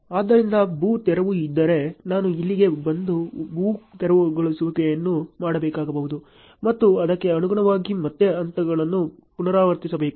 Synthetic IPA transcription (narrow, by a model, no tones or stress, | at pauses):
aːd̪ɐɾind̪ɐbuːt̪ɛɾɐʋuid̪ːɐɾe̞naːnuilːiɡe̞bɐnd̪ubuːt̪ɛɾɐʋuɡoɭisuʋɐɡejɐnːumaːɽɐbɛːkaːɡɐbɐɦud̪u | mɐt̪ːuɐd̪ɐkːe̞ɐnuɡuɳɐʋaːɡimɐt̪ːe̞ɐnt̪ɐɡɐɭɐnːu | punɐɾaːʋɐɾt̪isɐbeːku